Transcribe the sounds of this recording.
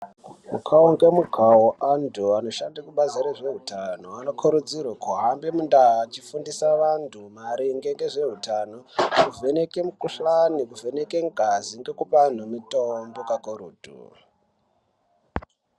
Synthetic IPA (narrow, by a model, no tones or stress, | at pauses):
mukʰaoŋɡe̞mukʰawoʔandʱuano̞ʃandakuɓazeɾeʐe̞ɦutʰano̞ano̞kʰoɾud͡zirokoɦambemundat͡ʃifundisaʋantʰumaɾiŋɡeŋɡe̞ʐe̞ɦutano̞kuve̞ne̞ke̞mukuɬanikuvʱe̞nekeŋɡaziŋɡe̞kupan̤umitombo̞kakoɾuːdʱṵ